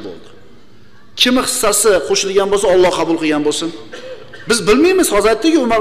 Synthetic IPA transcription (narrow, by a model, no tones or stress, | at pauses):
bo̰lˠd̪ɪ | kʲʰɪmɪχɨ̥sːasɪqʰoʃɪlɪɡʲanbolˠsaɒlˠːɒhqʰɑbʊlˠqɨɡʲanbolˠsɪn | bɪzbɪlmajmɪzhɒzɾat̪ːɪɡʲɪʊmaʁ